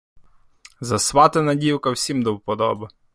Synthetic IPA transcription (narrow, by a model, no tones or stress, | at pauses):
zɐsʋɑt̪ɪnɐdʲiwkɐwsʲimd̪ɔwpɔd̪ɔ̰bɐ